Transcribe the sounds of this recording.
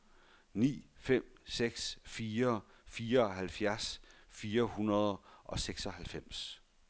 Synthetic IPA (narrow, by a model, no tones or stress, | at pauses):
nḭːfem̰seɡ̥sfiːɐfiːɐɒ̽ɦælfjæɐsfiːɐhunɐð̞ˠʔɒ̽seɡ̥sɒ̽hælfem̰s